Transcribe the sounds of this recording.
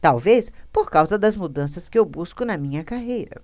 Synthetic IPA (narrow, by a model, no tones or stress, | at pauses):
t̪awvespoɾkawzɐd̪ɐzmud̪ɐ̃sɐskɪewbuskʊnɐmĩɲɐkaɦejɾɐ̰